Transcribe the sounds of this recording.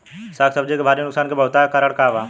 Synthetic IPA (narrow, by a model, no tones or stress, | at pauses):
saːksəbd͡ʒekebʱaːɾijonʊksaːnkebɐɦt̪aːkaɾəɽkaːʋa